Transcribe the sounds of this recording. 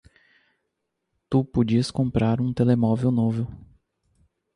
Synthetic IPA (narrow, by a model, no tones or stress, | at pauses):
t̪upod͡ʒiɐskõmpɾaɾũt̪elemɔvewnovew